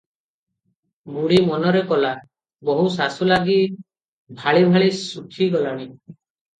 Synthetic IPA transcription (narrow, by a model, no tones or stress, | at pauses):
muɽimɔnɔɾekɔla | bɔɦusasulaɡi | bʱaɭibʱaɭisukʰiɡɔlaɽ̃i